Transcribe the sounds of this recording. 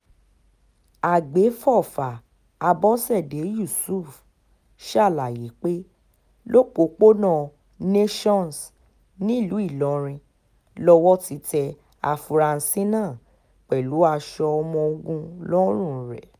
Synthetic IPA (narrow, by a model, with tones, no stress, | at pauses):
a˨ɡ͡be˨˦fɔ˦˨fa˨ | a˧bɔ˦sɛ˦˨de˨˦ju˦˨su˦˨f | ʃa˦˨la˨ji˨˦k͡pe˦ | lo˦k͡po˨˦k͡po˦nã˦˨ | ne˦ʃɔ̃˦˨n˨s | nĩ˦˨lu˨˦i˦˨lɔ˨˦ɾ̃ĩ˧ | lɔ˧˦wɔ˦ti˧tɛ˧ | a˧fu˧ɾa˧n̩˨˧sĩ˦nãː˦˨ | k͡pɛ˨lu˨˦a˧ʃɔ˧ɔ˧mɔ̃˧o˧ɡũ˧lɔ˦ɾ̃ũ˦˨ɾɛ˨